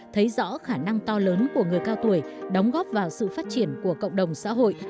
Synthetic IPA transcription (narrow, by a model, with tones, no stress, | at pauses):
t̪ʰə˨˦jzɔ̰˧˥xaː˧˩na˧ŋt̪ɔ˧ləː˨˦nku˧˩əŋɨ˨˩əjkaː˧wt̪u˨˩əj | ɗə˨˦wŋ͡mɣɔ˦˥p̚vaː˨˩wsɨ̰˧˨faː˦˥t̚t͡ɕi˧˩ənku˧˩əkə̰˧˨wŋ͡mɗə˨˩wŋ͡msa̰ː˧˥ɦo̰˧˨j